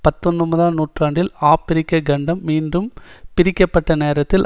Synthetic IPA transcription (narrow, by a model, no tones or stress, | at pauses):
pɐt̪ːɔnrɯmuːðaːnuːʈraːɳɖɪlaːpːɪɾɪkːɐɡɐɳɖɐmːiːndɯmpɪɾɪkːɐpːɐʈːɐneːɾɐt̪ːɪl